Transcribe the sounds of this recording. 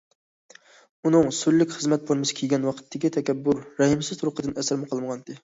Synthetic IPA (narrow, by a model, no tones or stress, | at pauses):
unɨŋsyɾlːɪkʲχəzmɛt̪̚pʰoɾmɪsɪ̥kʲʰeɡʲɛnwɑqʰə̥t̪ʰːɪkʲit̪ʰɛkʲɛbːʊɾːɛhɨmsɪzt̪ʰɾʊqəd̪ɨnɛsæɾmɨqʰəlˠməʁɑnd̪ɪ